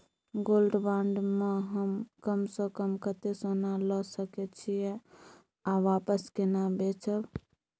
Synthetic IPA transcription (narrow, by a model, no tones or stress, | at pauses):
ɡolɖbaɳɖmeɦəmkəmsə̃kəmkət̪esonalɔsəkɛt͡ʃʰijɛ | aʋapəskenabet͡ʃʰəb